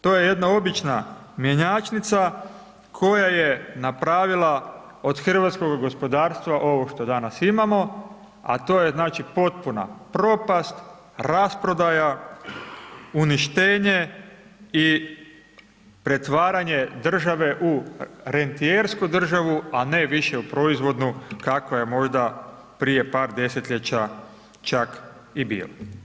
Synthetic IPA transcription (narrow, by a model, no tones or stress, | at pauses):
t̪o̞ːje̞je̞d̪nao̞bit͡ʃna | mje̞ɲaːt͡ʃnit̪sa | kʰo̞jajenapɾaːʋilˠa | o̞d̪xr̩ʋat̪sko̞ɡɡo̞spo̞d̪aːɾst̪ʋaʔo̞ʋo̞ʃt̪o̞d̪anasimamo̞ | a̰t̪o̞ːjeznaːt͡ʃipo̞t̪̚puna̰pɾo̞past̪ | ɾaspɾo̞d̪aja | uniʃt̪e̞ːɲe̞ | i | pɾe̞t̪ʋaːɾaɲe̞d̪r̩ʒaʋe̞ʔuɾe̞nt̪ieɾskud̪r̩ʒaʋuane̞ʋiʃe̞upɾo̞izʋo̞d̪nukakʋaje̞mo̞ʒd̪a | pɾije̞paːɾd̪e̞se̞t̪ʎet͡ɕa | t͡ʃak | ibḭːlo